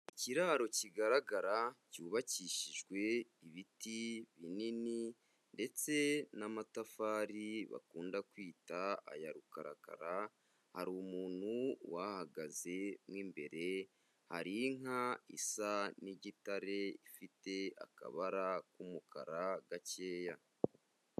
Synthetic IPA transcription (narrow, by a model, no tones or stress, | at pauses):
iciɾaːɾo̞ciɡaɾaɡaɾacuːβaciːʃiʒɡwe̞iβitiβinini | nde̞t͡se̞namatafaːɾiβa̰kuːndakwiːtaa̰jaɾukaɾa̰ka̰ɾa | haɾumuːn̥huwahaɡaze̞mŋwiːmbe̞ɾe̞ | haɾiŋaisaniɟitaɾe̞ifite̞a̰ka̰βaɾakumukʰa̰ɾaɡace̞ːja